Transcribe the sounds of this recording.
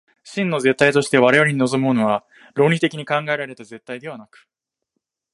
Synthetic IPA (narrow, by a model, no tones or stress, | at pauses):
ɕĩnːo̞ze̞t̪ːait̪o̞ɕi̥t̪e̞βaɾejaɾʲiɲ̟ino̞zo̞mɯːno̞βa | ɾo̞ːɲʲit̪e̞kʲiɲ̟ikãŋɡaeɾaɾe̞t̪aze̞t̪ːaid̪e̞βanakɯ̥